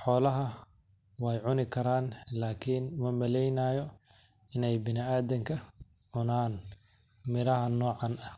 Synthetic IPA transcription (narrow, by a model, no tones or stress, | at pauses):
ħɔːlɐɦɐ | wɛːjʕʊnɪkʰɐɾaːnlaːkʰinmɐmɐlɛjnaːjɔ | ɪnɛjbɪnɪaːðɐŋkʰɐ | ʕʊnaːn | mɪɾɐɦɐnɔːʕɑnɐh